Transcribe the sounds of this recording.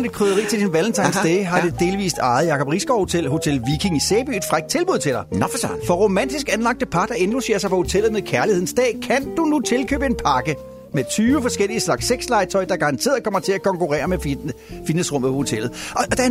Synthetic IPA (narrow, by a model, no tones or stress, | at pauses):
ne̥kʰʁøðˠɐʁḭːt͡sʰe̝ld̥inʋæln̩t͡sʰɑ̈ɪnsd̥eɦɑ̈d̥e̝d̥e̝ːlʋḭːsd̥ɑ̈ɪð̩ˠjɑ̈kɒ̽b̥ʁisɡ̥ɒelho̝t͡sʰelʋikʰiŋiseːb̥y̰ːe̝d̥fʁaɡ̥̚t͡sʰe̝lb̥uð̞̰ˠt͡sʰe̝d̥ɑ̈ɪfɒ̽ʁo̝mæn̰d̥isɡ̥ænlɑ̈ɡ̥̚d̥əpʰɑ̈d̥ɑe̝nl̥use̝̰ːɐsɑ̈ɪpʰɒ̽ho̝t͡sʰel̰ð̩ˠmeðˠkʰæɐliheð̞̰ˠn̩sd̥ɛ̰ːkʰænd̥unut͡sʰe̝lkʰø̰ːb̥əe̝npʰɑ̈ɡ̥ə | met͡sʰyːʋəfɒ̽sɡ̥el̰iəslɑ̈ɡ̥seɡ̥slɑ̈ɪt͡sʰɒ̽ɪd̥ɑɡ̥ɑ̈ʁɑ̈nt͡sʰe̝̰ɐð̩ˠkʰɒ̽m̰ɐt͡sʰe̝lækʰɒ̽ŋkuʁɛ̰ːɐmef | fid̥nesʁɔ̽m̰ð̩ˠpʰɒho̝t͡sʰel̰ð̩ˠd̥ɑ